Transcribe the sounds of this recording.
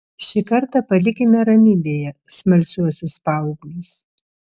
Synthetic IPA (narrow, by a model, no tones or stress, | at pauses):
ʃʲikɐɾt̪ɑpɐlʲɪkʲɪnʲɛɾɐmʲibʲeːjɛsmɐlʲsʲuɔsʲʊspɑˑʊɡlʲʊs